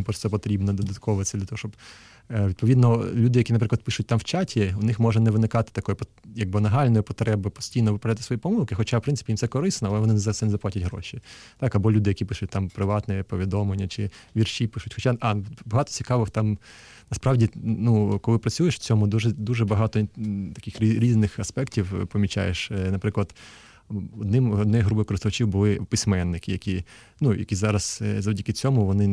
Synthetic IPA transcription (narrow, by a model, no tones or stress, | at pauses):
pɾɔsɛpɔt̪ɾʲibnɔd̪ɔd̪ɐt̪̚kʰɔʋʋɪt̪sʲɐd̪lʲɐt̪ɔɦɔʃt͡ʃɔb | ʋʲid̪̚pɔʋʲid̪nɔlʲud̪ɪjɐkʲinɐp̬ɾɪklˠd̪pɪʃʊt̚ʲt̪amwt͡ʃatʲʰiʊnɪxmɔʒɛnɛʋɪnɪkɑt̪ɪ̥t̪ɐkɔjʊpɔ | jɐɡ̚bɪnɐɦɑlʲnɔjʊpɔt̪ɾɛbɪpɔ̥sʲtʲijnɔʋɪpɾɐat̪ɪsʋɔjipɔmulˠkɪxɔt͡ʃawpɾɪnsɪpʲijimtsɛkɔɾɪsnɔɐlˠɛʋɔnɪnzɑsʲɛnɛzɐplˠɑtʲɐtʲɦɾɔ̰ʃʲit̪ɑkɐbɔlʲud̪ɪjɐkʲipɪʃʊtʲt̪ɑmpɾɪʋɑt̪nɛpɔʋʲid̪ɔmlenʲːɐt͡ʃɪʋʲirʃʲipɪʃʊtʲxɔt͡ʃaɑbɐɦɑt̪ɔ̥t͡sʲikɑʋɪxt̪ɑm | nɐspɾɑwdʲinukɔlˠɪpɾɐt͡sʲujeʃwt͡sʲɔmʊd̪uʒɛd̪uʒɛbɐɦɑt̪ɔt̪ɐ̥kɪxʲɾʲiznɪxɐspɛktʲiwpɔmʲit͡ʃa̰jeʃnɐpɾɪklˠɐd̪ | ɔd̪nɪmɔd̪nɔjɦɾubɔkɔɾɪst̪ʊʋɐt͡ʃʲiwbʊlˠɪpɪsʲmɛnːɪkɪjɐkʲi | nujɐ̰kʲizɑɾɐz̥zɐwdʲikɪt͡sʲɔmʊʋɔnɪ